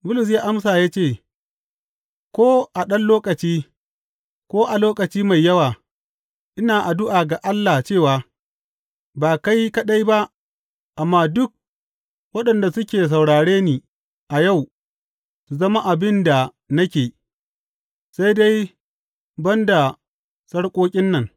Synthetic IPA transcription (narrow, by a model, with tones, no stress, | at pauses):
bʊ˦lʊ˨s̬jaː˦ʔa˦msaː˨jaː˦t͡ʃeː˦˨ | kʷoː˦ʔa˨ɗɐ˦nloː˦kɐ˨t͡ʃiː˦ | kʷoː˦ʔa˨loː˦kɐ˨t͡ʃiː˦ma˨jːɐ˦waː˨ | ʔɪ˦naː˨ʔa˨dʊ˦ʔaː˨ɡa˨ʔa˦lːa˨t͡ʃeː˦˨waː˨ | baː˨ka˦jkɐ˦ɗa˦jba˦ʔ | ʔa˨mːaː˦dʊ˦k̚ | wɐ˦ɗɐ˨nda˨sʊ˦kʲeː˨s̬a˨wɽaː˨ɽeː˦niː˨ | ʔa˨ja˦˨w | su˨zɐ˦ma˦ʔa˨bɪ˦nda˨ | nɐ˦kʲeː˨ | sa˦jda˦j | bɐ˦nda˨ | sɐ˦ɽkʷʼoː˦kʲʼɪ˦nːɐ˨ŋ